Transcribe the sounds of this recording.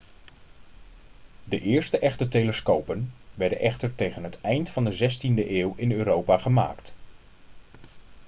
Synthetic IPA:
dəʔɪːɹstəʔɛχtəɹtejləskowpənʋɛɹdənʔɛχtəɹtejχənɦətɛjntfɑndəzɛstindəʔɪːwɪnøːɾowpaːχəma̰ːkt

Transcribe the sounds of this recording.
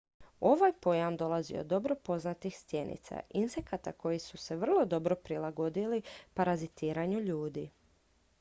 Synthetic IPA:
o̞ʋajpo̞jamd̪o̞lˠazḭo̰d̪ːo̞bɾo̞po̞znat̪ixst̪je̞nḭt̪sa̰inse̞kat̪ako̞jisuse̞ʋr̩lˠo̞d̪o̞bɾo̞pɾilˠaɡo̞d̪ilipaɾazit̪iːɾaɲuʎuːd̪i

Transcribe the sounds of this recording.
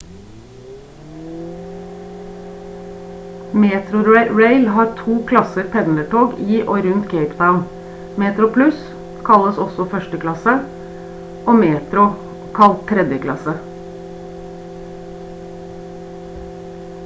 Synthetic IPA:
meːt̪ʰɾʊɹeɪlhɑːɾt̪ʰuːkʰlɑsəɾpʰɛnləʈʰoːɡiːʔoːɾʉnt̪kʰeɪpd̪aʊn | meːt̪ɾʊpʰlʉs | kʰɑləsɔsɔfœʃʈəkʰlɑsə | ʔoːmeːt̪ɾʊ | kʰɑlt̪ʰːɾɛd̪jəkʰlɑ̰sə

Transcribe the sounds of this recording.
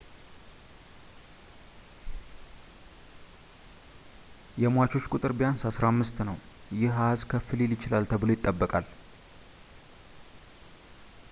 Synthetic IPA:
jɛmwat͡ʃo̞t͡ʃːkʼut̪ʼɨɾbijansasɾamːɨst̪nəw | jɪhazkʰəfɨleljɪt͡ʃɪlalt̪ʰəβɨlo̞jɪt̪ʼːəbːəkʼal

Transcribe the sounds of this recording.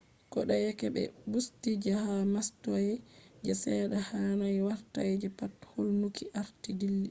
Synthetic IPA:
kɔɗajɛkɛbɛ̰bustid͡ʒahamastɔjɛd͡ʒɛsɛɗahanajwaɾtajd͡ʒɛpatholnukʰiʔaɾtidilːi

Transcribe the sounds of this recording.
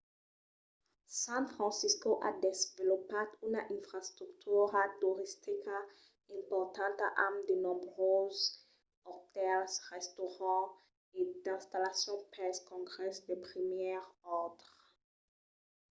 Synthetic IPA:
sɛ̃fʁɑ̃siskoʔa̰dezvɛlopadunaʔĩnfʁast̪ʁuktʰuʁatuʁistika | ĩmpɔʁt̪ãntaʔamd̪enɔbʁoz | ɔʁt̪ɛlsʁɛstoʁɑ̃ | ed̪ɛ̃st̪alasjɔ̃pɛskɔ̃ɡʁɛsd̪epʁimjɛʁɔʁdʁ

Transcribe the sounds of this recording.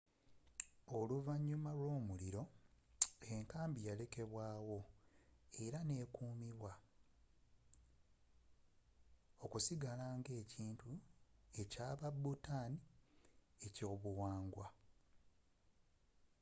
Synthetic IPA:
o̞luvaɲːumalwo̞ːmuliɾo̞ | e̞ŋkaːmbijale̞ke̞βwaːwo̞ | e̞ɾane̞ːkuːmiβwa | o̞kusiɡalaːŋɡe̞ːciːntue̞caːβabutaːni | e̞co̞ːβuwaːŋɡwa

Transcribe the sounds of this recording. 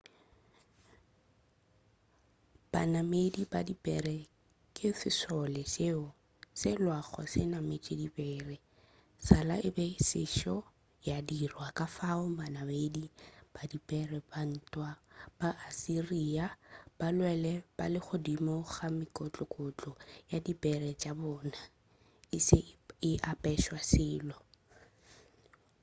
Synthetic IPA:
b̥a̰namedibadipʼɛrɛ | kʼɪfɪsɔlɛse | sɪlwaχɔ̰sɪnamet͡ʃʼedibɛːrɛ | sala̰ʔɪbɛsɪ̰ʃɔ | jadirwakʼafaʊbanamedib̥adipʼɛrɛban̩tʼwab̥aʔːsiriab̥alwɛlɛb̥a̰lɪχʊdimɔχamɪkʼɔt͡ɬʼɔkʼʊt͡ɬʼɔjadipʼɛrɛt͡ʃʼabɔːna | ɪsɪɪʔapʼɛʃwasɪːlɔ

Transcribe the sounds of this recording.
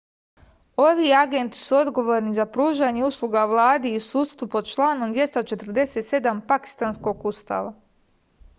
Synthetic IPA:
o̞ʋiaɡe̞nt̪i̥suo̞d̪ɡo̞ʋo̞ːɾnizapɾuːʒaɲeuslˠuɡaʋlˠaːd̪iːsuːst̪ʋupo̞d̪̚t͡ʃlˠaːnomd̪ʋje̞st̪at͡ʃe̞t̪r̩d̪e̞set̪se̞d̪ampaki̥st̪aːnsko̞ɡust̪a̰ːʋa

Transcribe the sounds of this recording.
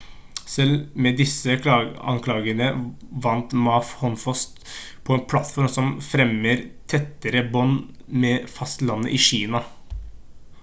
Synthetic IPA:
sɛlmɛd̪ɪsːəɑ̰ŋkʰlɑːɡənəʋɑnt̪mɑːfhɔnfɔst̪pʰɔɛnpʰlɑt̪fɔɾmsɔmfɾɛmːəɾt̪ʰɛt̪ːəɾəbɔnmɛfɑst̪lɑnːə̰ʔɪɕiːnɑ

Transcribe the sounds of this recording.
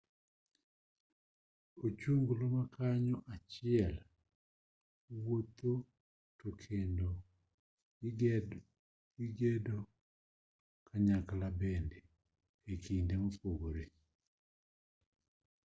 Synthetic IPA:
ot͡ʃuŋɡlomakʰaɲɔʔat͡ʃɪɛl | wot̪o | tokʰendo | iɡedo | kʰaɲakalabende | ekʰindemopoɡoɾe

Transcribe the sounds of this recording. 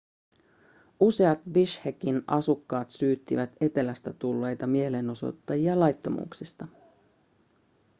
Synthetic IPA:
use̞ɑt̪ʋiʃhekinʔɑsukːɑːt̪syːt̪ːḭʋæt̪e̞t̪e̞læst̪æt̪ulːe̞jt̪ɑmie̞le̞no̞so̰t̪ːɑjiɑlɑjt̪ːo̞mṵːksist̪ɑ

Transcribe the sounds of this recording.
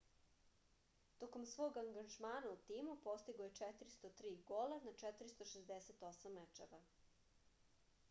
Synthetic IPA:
t̪oko̞msʋo̞ːɡaŋɡanʒmaːnaut̪iːmupo̞st̪iɡoje̞t͡ʃɛt̪ɾist̪ot̪ɾiːɡolanat͡ʃɛt̪ɾist̪oʃezd̪eset̪o̞samːet͡ʃeʋa

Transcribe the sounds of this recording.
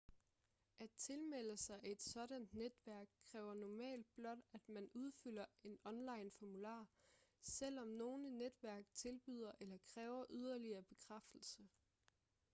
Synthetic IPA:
ʔæd̚t͡sʰe̝lmel̰əsɑ̈ɪʔæe̝d̥sɒ̽ɾ̥ænd̥ned̥ʋæɐɡ̥̚kʰːʁɛːʊɐnɒmɛ̰ːld̥̚b̥lɒ̽d̥æd̥mænuð̞ˠfyl̰ɐe̝nɒ̽nlɑ̈ɪnfɒmulɑ̰̈ːsel̰ɒ̽mno̝ːnəned̥ʋæɐɡ̥t͡sʰe̝lb̥y̰ð̞̰ˠɐʔelɐkʰʁɛːʊɐʔyð̞ˠɐliɐb̥e̝kʰʁafd̥l̩sə

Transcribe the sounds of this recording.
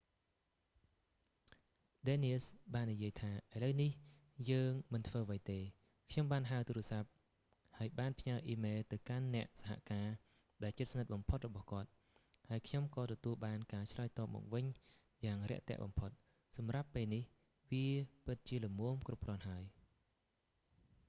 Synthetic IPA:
ɗeːniəsɓaːnːijiəjt̪ʰaːʔaələwnih | jəːŋmɨnt̪ʰʋəːaʋəjt̪eː | kʰɲomɓaːnɦaət̪uːɾʊ̆əsap̚ | haəjɓaːnpʰɲaəʔiːmeːlt̪ɨwkanːɛ̆əʔsaɦa̰ʔkaː | ɗaɛlt͡ɕɨt̪̚snɨt̪̚ɓɑmpʰot̪̚rɔɓɑhkŏət̪̚ | haəjkʰɲomkɑːt̪ɔt̪uəlɓaːnkaːt͡ɕʰlaɔːjt̪ɑːp̚mɔ̰ːk̚ʋɨɲ | jaːŋrɛ̆əʔt̪ɛ̰̆əʔɓɑ̰mpʰot̪̚ | sɑmrapːeːlnih | ʋiəpɨt̪̚t͡ɕiələmuəmkrup̚krŏənɦaəj

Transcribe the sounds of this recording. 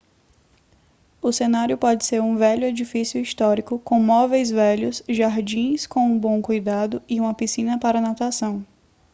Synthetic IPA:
ʊsenaɾjʊpɔd͡ʒɪseɾũvɛʎʊed͡ʒifisjʊist̪ɔɾikʊkõmɔvejzvɛʎʊsʒaɾd͡ʒĩskõw̃ũbõw̃kujd̪ad̪ʊiũmɐpisĩnɐpaɾɐnat̪asɐ̃w̃

